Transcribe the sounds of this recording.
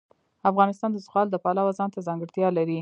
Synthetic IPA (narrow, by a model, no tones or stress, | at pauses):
afɣɑnɪst̪ɑnd̪əzɣɑld̪əpɑlawazɑnt̪azɑŋɡəɽt̪jɑlaɾi